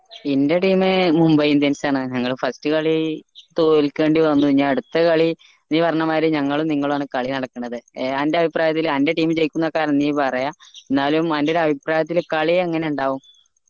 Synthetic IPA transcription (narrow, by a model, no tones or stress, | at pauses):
inde̞ʈiːmemumbɐjimt̪enisaːɳɨɲɐŋːɐɭufɐstɨkɐɭit̪oːlkʲːe̞ːɳɖiʋɐnːuɲːaːɐɽut̪ːɐkɐɭi | niːpɐrɐɲːɐmaːɾeɲɐŋːɐɭumniŋːɐɭaːɳɨkɐɭinɐɽɐkːɐɳɐðɨeande̞ɐbʱipraːjɐt̪ːilɐnde̞ʈiːmɨt͡ɕe̞jikʲːunːɐkaːɾɐniːpɐrɐjaenːaːlumɐndeoɾɐbʱipraːjɐt̪̬ːilkɐɭijeɐŋːɐne̞uɳɖaːʋum